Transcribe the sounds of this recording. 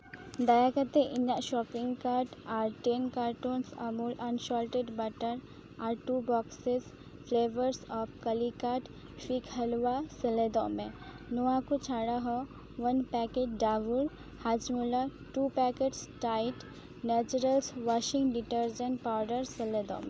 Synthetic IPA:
d̪ajakət̪eʔiɲaʔʃɔːkiŋɡkaɾʈaɾʈenkaːɾʈunsəmulɐnʃɔlʈeɖbɐʈəɾ | aɾʈubɔːkses | fleːʋəɾsɔpkəlikaːʈ | fikʰhɐlʋasəled̪ɔmẽ | nuakut͡ʃʰaɽaɦɔ | ʋənpɛked͡ʒɖaʋuɾ | had͡ʒmula | ʈupɛkeʈsʈaiʈ | nɛt͡ʃuɾəlsʋɔʃĩŋɡɖiʈəɾd͡ʒənʈpawɾɖəɾsəled̪ɔ̰mẽ

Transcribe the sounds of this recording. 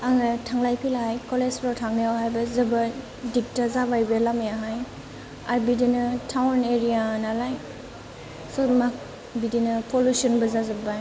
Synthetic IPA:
aŋatʰaŋlajpʰilaajkɔlespɾatʰaŋniawɦajbɐzɐbɐ | dik̚tazabajbelamejaɦaj | aɾbidinɐtʰawneɾijanalaj | somak̚ | bidinɐpʰolusɔnbɐzazabaj

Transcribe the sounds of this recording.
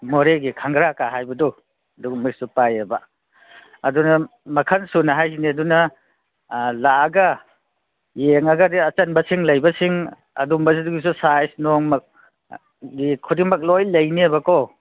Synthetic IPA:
mɔɾeɡikʰaŋɡɾakaɦajbɐdɔ | duɡmɔjsupajebaː | dunɐmɐkʰɐnsunaɦajziniɐdunɐ | laɡa | jeŋaɡadiɐt͡ʃɐnbɐsiŋlɐjbɐsiŋ | ɐ̰dumbɐs̬iduɡis̬usajsnɔŋmak̚ | ɡikʰudimɐk̬̚lojlɐjniebakɔ

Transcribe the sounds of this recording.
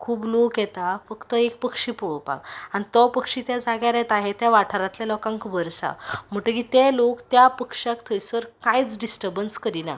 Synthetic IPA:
kʰuːblokjɛt̪afəkt̪əek̚pəkʂiːpuɭəpa̰kañit̪ɔpəkʂit̪jad͡zaɡjaɾɛt̪aɦet̪jaʋaʈʰəɾat̪ljalɔkãŋkʋəɾsa̰m̤əʈ̪əkit̪elokt̪japəkʂakt̪ʰəjsəɾkãjt͡sɖisʈəɾbənskəɾina̰

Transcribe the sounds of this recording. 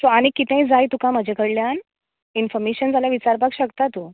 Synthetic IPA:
soaɽ̃ikit̪ɛ̃ĩd͡zajt̪ukãmad͡ʑʱekəɽljan | infɔɾmeɕənd͡zʱaljaʋit͡ɕaɾpakɕəkt̪at̪uː

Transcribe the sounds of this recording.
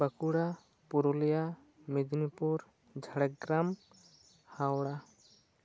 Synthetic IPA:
bəkuɽa | puɾolija | mid̪ʱnipuɾ | d͡ʒʱəɽəkɡɾam | hawɽa

